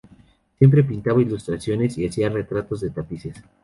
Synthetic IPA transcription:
sje̞mp̬ɾe̞pint̪aβailust̪ɾasjo̞ne̞siasiare̞t̪ɾat̪o̞zðe̞t̪apises

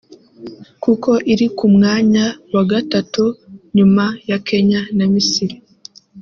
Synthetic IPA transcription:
kuko̞ʔiɾikumŋaːɲawaɡatatuɲumajakʰe̞ɲanamisiɾa

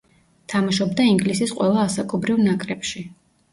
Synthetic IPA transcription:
t̪ʰamaʃɔb̚d̪aiŋɡlisisqʼwɛlˠaːsakʼɔbɾivnakʼɾɛpʃi

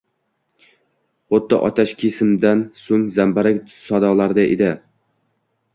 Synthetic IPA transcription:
χʊd̪ːɪʔɒt̪ʰaʃkʲʰesɪmd̪ansoŋzambaɾasɒd̪ɒlˠaɾd̪aʔḛd̪ɪ

